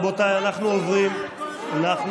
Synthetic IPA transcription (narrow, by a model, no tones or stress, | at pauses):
bot̪ajanaχnuovʁim | anaχn